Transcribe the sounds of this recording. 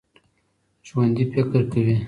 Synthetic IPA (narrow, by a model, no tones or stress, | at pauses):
ʒwand̪ipekəɾkawi